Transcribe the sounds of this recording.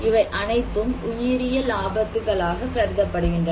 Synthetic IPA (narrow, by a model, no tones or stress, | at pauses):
ɪʋɐɪʔɐnɐɪt̪ːɯmʊjɪɾɪjɐlaːbɐt̪ːɯɣɐɭaːɣɐpɛɾðɐpːɐɽɯɣɪndrɐ